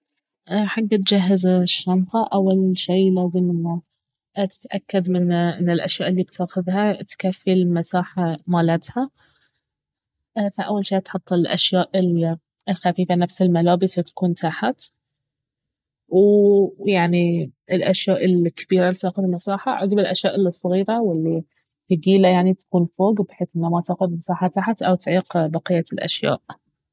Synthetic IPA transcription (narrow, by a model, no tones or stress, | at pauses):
ʔħaɡːat̪d͡ʒaɦːɪzaʃːɑnqaʔawːalʃiːlaːzɪmʔɪnːa | t̪ʔakːad̪mɪnʔɪnːɪlʔa̰ʃjaːʔɪlːiːb̚t̪aːxɪðhat̪kafːilmasaːħamaːlat̪ha | faʔawːalʃiːt̪ħɑt̪ˤːɪlʔa̰ʃjaːʔɪl | ɪlxafiːfanafsɪlmalaːbɪsat̪ḁkuːnt̪ʰaħat̪ | wjaʕniɪlʔaʃjaːʔɪlkḁbiːɾalit̪aːxʊðɪlmasaːħa̰ʕʊ̰ɡbɪlʔaʃjaːʔɪlːsˤːɣiːɾawɪlːi | fiɡiːlajaʕnit̪ḁkuːnfoːɡbħeːθʔɪnːamat̪axʊd̪masaːħat̪aħat̪ʔawt̪ʕiːqbɑqijːalʔa̰ʃja̰ːʔ